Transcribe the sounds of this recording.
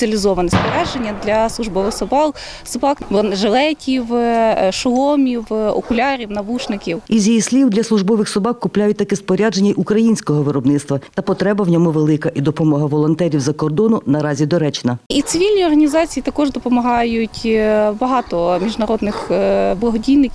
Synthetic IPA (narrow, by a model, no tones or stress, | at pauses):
ɐlʲizɔʋɐnɛspɔɾʲad͡ʒenʲːɐd̪lʲɐslˠʊʒbɔʋɪxsɔbɑl | sɔbɑkʋɔʒelˠɛtʲiwʃɔlˠɔmʲiwɔ̰kʊlʲɑɾʲiwnɐʋuʃnɪkʲiwizʲjijisʲlʲiwd̪lʲɐslˠʊʒbɔʋɪxsɔbɑkkːʊplʲajʊt̚ʲt̪ɐkɛspɔɾʲad͡ʒenʲɐjʔukɾɐjinʲsʲkɔɦɔʋɪɾɔbnɪt̪st̪ʋɐt̪ɐpɔt̪ɾɛbɐwnʲɔmuʋelˠɪkɐʔid̪ɔpɔmɔɦɐʋɔlˠɔnt̪ɛɾʲiwzɐkɔrd̪ɔnʊnɐɾɑzʲid̪ɔɾɛt͡ʃnɐit̪sɪʋʲilʲnʲijɔrɦɐnʲizɑt͡sʲijit̪ɐkɔʒd̪ɔpɔmɐɦɑjʊtʲbɐɦɑt̪ɔmʲiʒnɐɾɔd̪nɪxblˠɐɦɔdʲijʲnɪkʲ